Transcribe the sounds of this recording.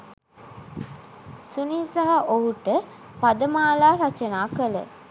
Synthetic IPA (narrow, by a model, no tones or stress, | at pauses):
suniːsaɦɐʔoɦuʈə | pad̪əmaːlaːɾat͡ʃənaːkələ̰